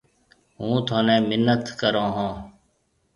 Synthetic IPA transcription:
ɦũːt̪ʰoːnɛ̃ːmɪnːət̪kəɾõːɦãː

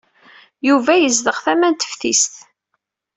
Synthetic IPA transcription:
juvæjəzðəʁθæmænt̪ə̥fθḭst̪

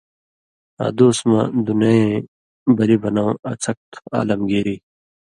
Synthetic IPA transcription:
a̰d̪oːsmɐ̰̃d̪unɐẽ | bɐlibɐnãwɐt͡sʰɐk̚t̪ʰa̰ːlɐmɡeːɾi

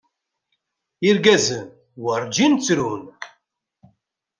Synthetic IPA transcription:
iɾɡæzən | wəɾd͡ʒint͡sːɾun

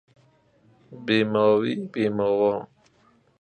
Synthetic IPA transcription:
bemɔːwibemɔwɔ

